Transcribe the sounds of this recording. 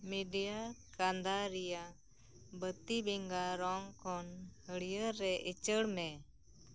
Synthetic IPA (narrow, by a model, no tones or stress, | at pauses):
miɖijakand̪aɾija | bət̪ibiŋɡaɾɔŋkɔnhəɽijəɾːɛʔit͡ʃəɽmɛ